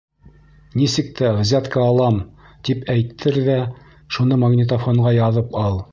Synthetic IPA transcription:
nisɘ̆k̚t̪ʰæʁzæt̪kɑːlˠɑm | t̪ipæjt̪ʰːɘɾðæ | ʃunɤmɐɡnʲɪt̪̬ofoɴʁɑjɑðɤpɑlˠ

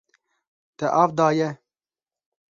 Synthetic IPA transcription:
t̪ɛʔɑːvd̪ɑːjɛ

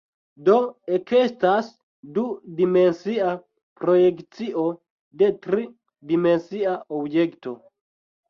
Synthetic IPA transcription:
do̞ekestas | dudime̞nsia | pɾo̞je̞kt͡siʔo̞ | de̞tɾi | dime̞nsiaobje̞kto

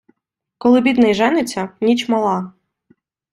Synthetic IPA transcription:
kɔlˠɪbʲid̪nɛjʒɛnɪt͡sʲːɐnʲit͡ʃmɐlˠɑ

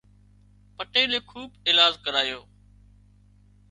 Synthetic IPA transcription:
pəʈeːleːkʰuːbɪːlaːzkəɾaːjoː

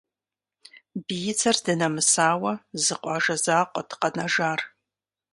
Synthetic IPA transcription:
bijɪt͡sʰɐrdɨnɐmɨsaːwɐzɨqʷʼɑʒɐzaːqʷʼɔdqɐnɐʒaːr

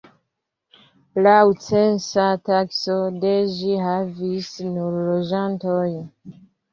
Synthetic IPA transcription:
laut͡sensataksodeʒiɦavisnuɾlod͡ʒantoj

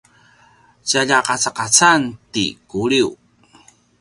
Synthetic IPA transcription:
t͡ɕaʎaqat͡saqat͡santḭkuɾiw

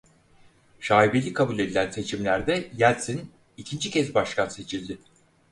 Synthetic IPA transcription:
ʃaːibelʲikʰabulʲe̞d̪ilʲænse̞t͡ʃʰimlʲæɾd̪ɛjælʲsin | icʰind͡ʒicʰɛzbaʃkʰanse̞t͡ʃʰilʲd̪ɪ

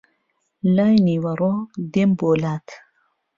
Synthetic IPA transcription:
lajniwaɾod̪emboːlaːt̪ʰ

